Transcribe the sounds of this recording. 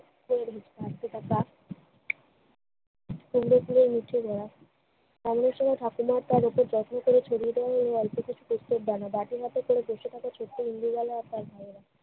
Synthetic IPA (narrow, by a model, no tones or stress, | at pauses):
kueɾbʱit͡ʃask̪eʈ̪ʰaka | kuɡɾokuleɾmiʈʰːed̪ʱɔɽa | ɛmoneɾʃɔŋajʈ̪ʰakumaɾt̪aɾopoɾd͡ʑɔt̪ʰnokoɾet͡ɕʰoɽied̪eaɦeleɔlpokit͡ɕʰu̥post̪op̚d̪anabaʈiɦat̪ekoɽeboʃeʈʰakat͡ɕʰoʈːoind̪iɡalaaɾt̪aɾbʱajeɾa